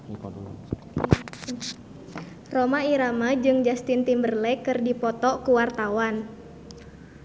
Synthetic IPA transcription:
romaiɾamad͡ʒɨŋd͡ʒast̪int̪imbərlɛkɨrdipɔt̪ɔkuwart̪awan

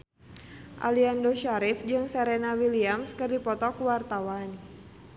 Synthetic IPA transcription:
ʔa̰liandoʃaɾifd͡ʒɨŋsɛɾɛnawiliamskɨrdipɔt̪ɔkuwart̪awan

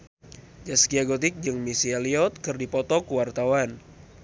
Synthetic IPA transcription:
d͡ʒaskiaɡot̪̬ɪk̚d͡ʒɨŋmisialiɔt̪̚kɨrdipɔt̪ɔkuwart̪awan

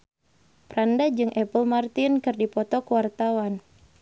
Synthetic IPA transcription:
pɾandad͡ʒɨŋʔɛpəlmart̪inkɨrdipɔt̪ɔkuwart̪awan

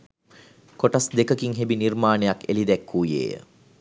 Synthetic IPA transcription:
koʈasd̪ekəkiŋɦebinirmaːnejakelid̪ɛkːuːjḛːjə̰

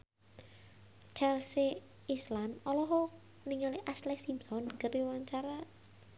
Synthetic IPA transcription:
t͡ʃɛlsi | islanɔlɔɦɔ | niŋaliʔaslɛsimsɔnɡəɾiwaɲt͡ʃaɾa

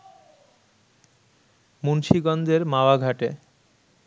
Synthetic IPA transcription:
munʃiɡɔnd͡ʑeɾmaoaɡʱaʈe

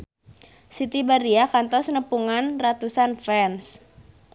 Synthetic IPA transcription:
sit̪ibaɾiakant̪ɔsnəpuŋanrat̪usanfɛns

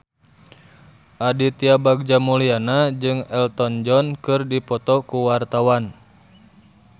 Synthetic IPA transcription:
ʔadit̪iabaɡ̚d͡ʒamulianad͡ʒɨŋɛlt̪ɔnd͡ʒɔnkɨrdipɔt̪ɔkuwart̪awan

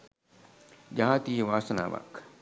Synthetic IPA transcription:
d͡ʒaɦat̪iːəʋaːsɐna̰ːʋa̰k

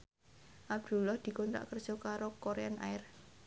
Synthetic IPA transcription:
ʔab̚d̪̥ṳlahd̪̥i̤kɔnt̪ɾa̰ʔkərd̥ʒ̥ɔ̤kaɾokoɾeanʔa̰ɪr

